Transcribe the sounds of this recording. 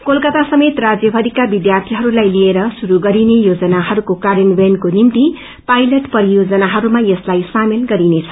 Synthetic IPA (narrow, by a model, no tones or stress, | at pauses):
kolkʌt̪asʌmet̪rad͡zjʌbʱʌd̪ikabid̪jart̪ʰiɦʌɾulajlieɾʌsuɾuɡʌɾinejod͡zʌnaɦʌɾukokaɾenbenkonimt̪i | pajlʌʈpʌɾijod͡zʌnaɦʌɾumajʌslajsamilɡʌɾinet͡sʰʌ̥